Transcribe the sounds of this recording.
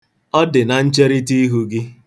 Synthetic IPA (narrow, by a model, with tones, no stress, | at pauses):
ɔ˦dɪ˨na˨n̩˦t͡ʃe˦ɾi˦ti˦i˦ɦu˦ɡɪ˦